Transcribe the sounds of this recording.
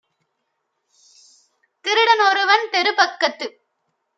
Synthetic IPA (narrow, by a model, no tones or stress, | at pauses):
kɪɾɯɽɐnɔɾɯʋɐnt̪ɛɾɯpɐkːɐt̪ːɯ